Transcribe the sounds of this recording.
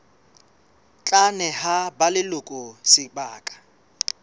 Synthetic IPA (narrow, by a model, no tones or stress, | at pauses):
t͡ɬʼanɛhabalɪlʊkʼʊsɪbaːkʼḁ